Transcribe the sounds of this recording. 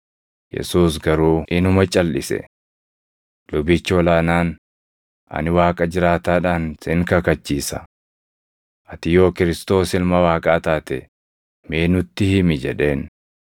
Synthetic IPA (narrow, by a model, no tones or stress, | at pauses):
jɛ̰suːsɡɐɾuːʔɪnʊmɐt͡ʃʼɐlːɪsɛ̰ | lʊbɪt͡ʃːɪɔlaːnaːn | ʔɐ̰nɪwaːkʼɐd͡ʒɪɾaːt̪aːᶑaːnsɪŋkɐkɐt͡ʃːiːsɐ | ʔɐt̪ɪjo̞ːkɪɾɪst̪o̞ːsɪlmɐwaːkʼaːt̪aːt̪ɛ | meːnʊt̪ːɪhɪmɪd͡ʒɛ̰ᶑe̞ːn